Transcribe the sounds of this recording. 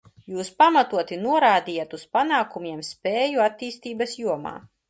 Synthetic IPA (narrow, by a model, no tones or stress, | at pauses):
juːspamat̪uɔt̪inuɔɾaːd̪ijat̪uspanaːkumʲiɛmspʲeːjuat̪ːiːst̪iːbɐsjuɔma̰ː